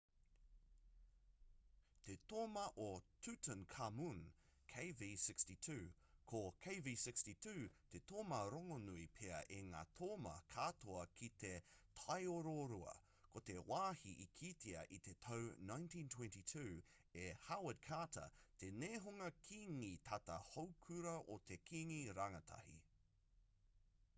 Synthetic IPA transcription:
t̪et̪oːmɐʔotʰʉtə̃nkʰamunkʰeɪvisɪkstitʰʉ | kʰokʰeɪvisɪkstitʰʉːt̪et̪ʰoːmɐɾoŋonuipʰeɐ̰ʔeŋa̰ːt̪ʰoːmɐ̰kʰat̪oɐkʰit̪etʰɐjoɾoɾuɐ̰ | kʰot̪ewaːhiʔikʰitʰiɐ̰ʔit̪et̪ʰownãj̃ntĩːntʰw̥ɛ̃ntitʰʉː | ehawəd̚kʰaːtʰɐ̰t̪ʰeneːɦoŋɐkʰiŋit̪ʰɐtɐhowkʰʉɾɐʔot̪ʰekʰiŋiɾaŋɐt̪ʰɐ̰hḭ

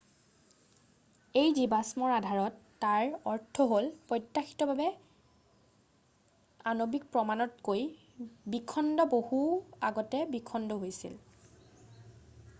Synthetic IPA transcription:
ejzibasmɔɹadʱaɹɔtːaɹɔɹtʰːɔɦolpɔjtːaxi̥tɔbʱabɛ | anobik̚pɹɔmanɔtkoj | bikʰɔndɔbohuaɡɔtɛbikʰɔndɔɦojsḭl

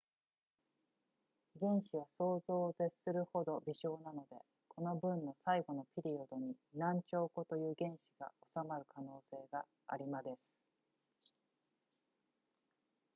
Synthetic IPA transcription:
ɡẽ̞ɰ̃ɕiβaso̞ːzo̞ːze̞̥sɨɾɯ̟ho̞d̪o̞bʲiɕo̞ːnano̞d̪e̞ | kʰo̞no̞bɯ̟̃nːo̞saiɡo̞no̞pʲiɾʲio̞d̪o̞ɲ̟inãɲt͡ɕo̞ːko̞t̪o̞jɯ̟ːɡẽ̞ɰ̃ɕiɡ̥a̰o̞samaɾɯ̟kʰano̞ːse̞ːɡa | a̰ɾʲimad̪e̞sɨ̥

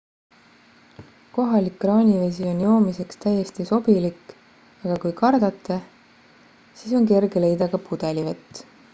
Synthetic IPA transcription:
ko̞ɦɑlikːrɑːnʲivesio̞njo̞ːmise̞kst̪æjːe̞st̪iso̞b̥ilik | ɑɡ̥ɑkujkɑrd̪̥ɑt̪ːˑe | siso̞nke̞rɡele̞jd̪ɑɡ̥ɑpud̪̥e̞livet̪ˑː

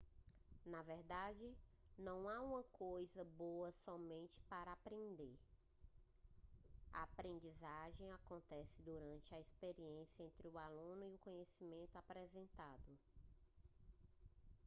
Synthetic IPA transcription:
nɐvɛɾd̪ad͡ʒɪnɐ̃w̃aũmɐkʰojzɐboɐsɔmẽnt͡ʃɪ̥paɾɐapɾẽnd̪eɾ | ɐ̰apɾẽnd͡ʒizaʒẽj̃akõnt̪ɛsɪd̪uɾɐ̃nt͡ʃɪɐispeɾiẽsjɐẽnt̪ɾɪʊalũnʊiʊkõɲesimẽnt̪ʊapɾɛzẽnt̪ad̪ʊ

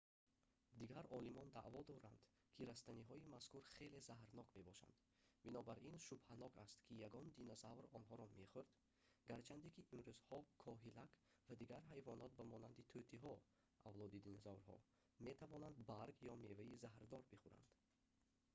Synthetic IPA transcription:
d̪iɡaɾɔlimɔnd̪a̰ʔvɔd̪ɔɾand̪̥ | kʰiɾast̪æniɦɔimaskuɾχe̞le̞zaɦɾnɔkme̞bɔʃa̰nd̪ | binɔbaɾinʃubhanɔkʰast̪kʰijaɡɔnd̪inɔzavɾɔnɦɔɾɔmeχuɾd̪ | ɡaɾt͡ʃʰand̪ikiʔimɾuzhɔkʰɔɦilakvad̪iɡaɾɦajvɔnɔt̪̚bamɔnand̪it̪ʰøt̪ʰiɦɔ | ʔavlɔd̪id̪inɔzavɾɦɔ̰ | me̞t̪ʰavɔnand̪baɾɡjɔme̞vaizaɦɾd̪ɔɾbiχuɾa̰nd̪̥

